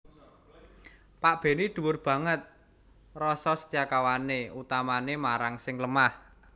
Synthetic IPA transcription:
paʔb̥e̤nid̪̥ṳwʊrb̥ä̤ŋət̪̚ | rɔsɔsə̥t̪ijakawaneut̪amanemaɾaŋsɪŋləmah

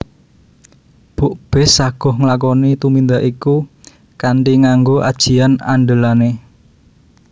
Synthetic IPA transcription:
b̥oʔb̥ɛ̤sːaɡ̥ɔ̤hŋəlak̬ɔnit̪umind̪aʔiku | kaɳʈiŋaŋɡoʔa̰d̥ʒ̥i̤ana̰ɳɖəlane

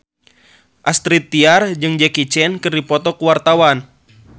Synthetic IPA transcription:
ʔast̪ɾit̪ːiard͡ʒɨŋd͡ʒɛkit͡ʃɛnkɨrdipɔt̪ɔkuwart̪awan

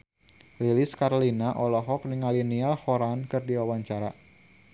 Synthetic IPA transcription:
liliskaɾlinaʔɔlɔɦɔk̚niŋalinialhɔɾankɨrdiwawaɲt͡ʃaɾa

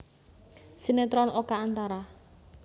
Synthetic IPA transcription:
sinet̪ɾɔnokaːnt̪aɾa

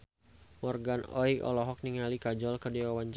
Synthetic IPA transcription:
mɔrɡanɔikɔ̰lɔɦɔk̚niŋalikad͡ʒɔlkədiwawant͡ʃ

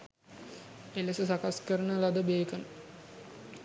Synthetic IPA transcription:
elesəsakaskəɾənəlad̪əbeːkən

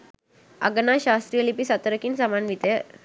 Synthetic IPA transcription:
a̰ɡnaɕast̪ɾijəlipisat̪əɾəkiːnsamanʋit̪e

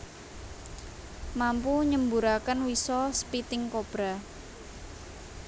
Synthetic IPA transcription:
mampuɲəmbuɾakənwisɔsəpit̪ɪŋkob̥ɾa

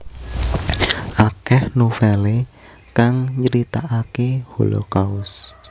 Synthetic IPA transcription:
ʔakɛhnofɛle | kaŋɲəɾit̪aʔakeholo̰kaʊs

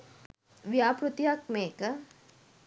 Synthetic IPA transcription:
ʋjaːpɾut̪jakmeːkɐ

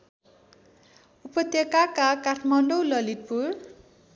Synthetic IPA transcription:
upʌt̪jʌkakakaʈʰmʌnɖowlʌlit̪̚pur

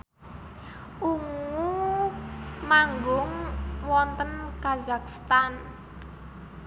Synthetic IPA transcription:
ʔuŋu | maŋɡʊŋwɔnt̪ənkazak̚st̪an

